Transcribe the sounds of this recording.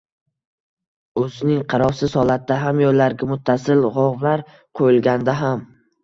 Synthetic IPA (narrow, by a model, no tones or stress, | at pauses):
ɵzɪnɪŋqʰɑɾɒfsɪzhɒlˠat̪̚ːaɦamjɒɾlaɾɡʲamʊt̪ʰːasɪlʁɒʁvlaɾ | qʰojɪlˠɡʲand̪aɦam